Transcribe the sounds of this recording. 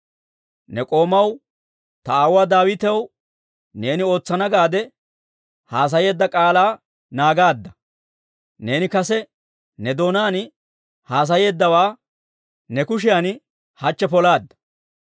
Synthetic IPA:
nɛkʼo̞ːmɐw | t̪ɐaːwaːd̪aːwɪt̪ɛw | ne̞ːnɪo̞ːt͡sːɐnɐɡaːd̪ɛ | haːs̬ɐje̞ːd̪ːɐkʼaːlaː | naːɡaːd̪ːɐ | ne̞ːnɪkɐsɛ | nɛd̪o̞ːnaːn | haːs̬ɐje̞ːd̪ːɐwaː | nɛkʊʃɪjan | hɐt͡ʃːɛpɔlaːd̪ːɐ̥

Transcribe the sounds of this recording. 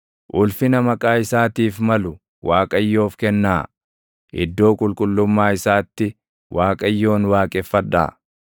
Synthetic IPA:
ʔʊlfɪnɐmɐkʼaːɪsaːt̪iːfmɐlʊ | wʔaːkʼɐjːo̞ːfkɛnːaː | ʔɪ̰d̪ːo̞ːkʼʊlkʼʊlːʊmːaːɪsaːt̪ːɪ | wʔaːkʼɐjːo̞ːnwaːkʼɛfːɐᶑa̰ː

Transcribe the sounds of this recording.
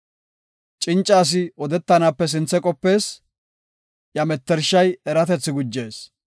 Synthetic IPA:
t͡ʃʼɪnt͡ʃʼːaːs̬ɪɔd̪ɛt̪ːɐnaːpːɛs̬ɪnt͡sːɛkʼɔpːe̞ːs | jɐmɛt̪ːɛɾʃːɐjɛɾɐt̪ɛt͡sːɪɡʊd͡ʒːe̞ːs

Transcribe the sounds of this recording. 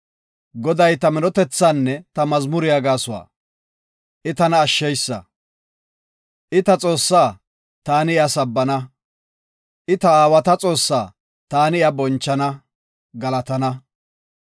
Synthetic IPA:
ɡɔd̪ɐjt̪ɐmɛnɔt̪ɛt͡sːaːnːɛt̪ɐmɐzmʊɾɪjaɡaːsʊwa̰ː | ʔɪt̪ɐnɐːʃːɛjsːɐ̰ | ʔɪt̪ɐt͡sʼo̞ːsːaː | t̪aːnɪɪɐsɐbːɐnɐ | ʔɪt̪ɐaːwɐt̪ɐt͡sʼo̞ːsːaː | t̪aːnɪɐbɔnt͡ʃːɐnɐ | ɡɐlɐt̪ɐnɐ

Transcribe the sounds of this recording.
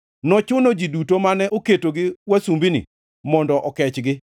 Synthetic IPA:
nɔt͡ʃʊnod͡ʒidutomanɛʔoketoɡɪwasumbinḭ | mɔndɔʔɔkɛt͡ʃɡɪ

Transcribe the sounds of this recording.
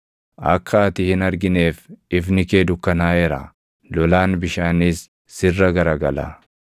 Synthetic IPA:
ʔɐ̰kʰːɐːt̪ɪhɪnɐɾɡɪneːfɪfnɪkeːd̪ʊkːɐnaːɛɾa̰ | lɔlaːnbɪʃaːnɪsː | ɪrːɐɡɐɾɐɡɐla̰

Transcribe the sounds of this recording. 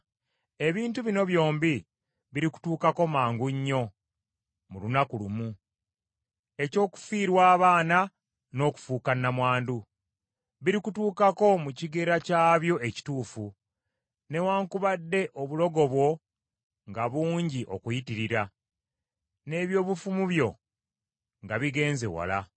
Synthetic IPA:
e̞βiːntuβino̞βjo̞ːmbi | βiɾiku̥tuːkako̞maːŋɡuɲːo̞ | mulunakulumu | e̞co̞ːku̥fiːɾwaːβaːna | no̞ku̥fuːkanːamwaːndu | βiɾikutuːkako̞muciɡe̞ɾacaːβjo̞eci̥tuːfu | ne̞waːŋkuβadːe̞ʔo̞βulo̞ɡo̞βwo̞ | ŋɡaβuːɲɟiʔo̞̰kujitiɾiɾa | ne̞βjo̞ːβufumuβjo̞ | ŋɡaβiɡe̞ːnze̞̰wa̰la

